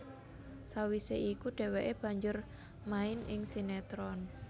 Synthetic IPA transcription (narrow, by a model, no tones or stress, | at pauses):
sawiseikuɖ̥ɛ̤weʔeb̥ä̤ɲd͡ʒʊr | maɪnɪŋsinɛt̪ɾɔn